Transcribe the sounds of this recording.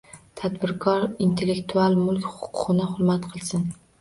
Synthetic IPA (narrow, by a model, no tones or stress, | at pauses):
t̪ʰæd̪bɪɾkʰɑɾint̪ʰelːekt̪ʰualˠmʊlˠkʲχʊqʰʊʁɨnɪχʊɾmæt̪qʰəlˠsɪn